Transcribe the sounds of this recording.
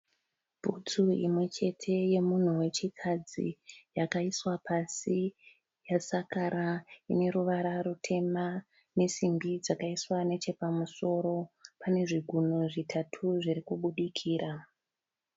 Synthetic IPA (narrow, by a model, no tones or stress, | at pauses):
b̥ʱut͡suḭmwe̞t͡ʃe̞tʰe̞je̞mun̤uwe̞t͡ʃikʰad͡zḭjakaiswapʰasi | jasakaɾaḭne̞ɾuʋaɾarutʰe̞ma | ne̞simbid͡zakaiswane̞t͡ʃe̞pamuso̞ɾo̞pane̞ʐiɡʱunoʐitʰatʰuʐiɾikuɓuɗikʰiːɾa